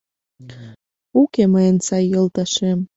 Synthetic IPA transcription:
ukeməjənsɑjːolˠt̪ɑʃem

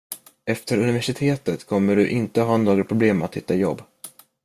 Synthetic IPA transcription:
ɛft̪əɾɵnɪvæʂɪt̪ʰeːt̪ət̪kʰɔmːəɖɵʔɪnt̪əɦɑːnːoːɡɾpʰɾʊbleːmat̪hʏt̪ːajɔbː

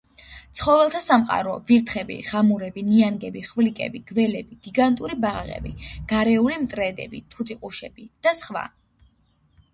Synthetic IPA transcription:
t̪sʰχɔvɛlˠt̪ʰasamqʼa̰ɾɔviɾt̪ʰχɛbḭʁ̥amuɾɛbinianɡɛbiχvlikʼɛ̰biɡ̥vɛlɛbiɡ̥iɡant̪ʼuɾibaʁʁɛ̰biɡ̥aɾɛulimt̪ʼɾɛd̪ɛ̰bit̪ʰut̪ʼiqʼuʃɛbid̪̥asχwa̰

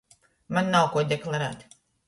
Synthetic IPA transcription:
manːawkuɔd̪ʲeklˠaɾæːt̪

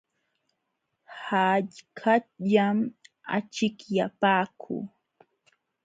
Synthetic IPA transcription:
haʎkʰaʎam | a̰t͡ʃɪkjapaːkʰṵː

